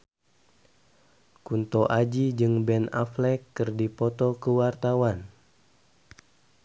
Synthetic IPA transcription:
kunt̪ɔʔad͡ʒid͡ʒɨŋbɛna̰flɛkːɨrdipɔt̪ɔkəwart̪awan

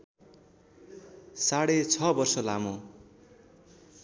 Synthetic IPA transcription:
saɽet͡sʰʌbʌrsʌlamo

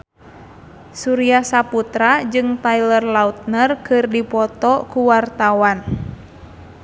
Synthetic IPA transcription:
suɾiahsaput̪ɾad͡ʒɨŋt̪ailərlaut̪̚nərkɨrdipɔt̪ɔkuwart̪awan

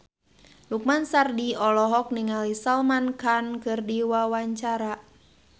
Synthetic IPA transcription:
luk̚mansardiɔlɔɦɔk̚niŋalisalmankankɨrdiwawaɲt͡ʃaɾa

